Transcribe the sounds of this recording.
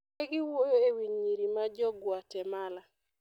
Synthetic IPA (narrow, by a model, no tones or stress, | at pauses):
ɛɡɪwojoewiɲiɾimad͡ʒɔɡwatɛmala